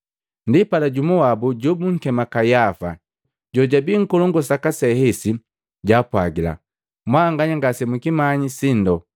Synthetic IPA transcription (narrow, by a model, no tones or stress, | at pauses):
ndipalaɟumɔwabuɟɔbuŋ̩kɛmakajafa̰ | ɟɔɟabiŋ̩kɔlɔŋɡɔsakasɛhɛsi | ɟaːpwaɡila̰ | mwaːŋɡaɲaŋɡasɛmuikimaɲisindɔ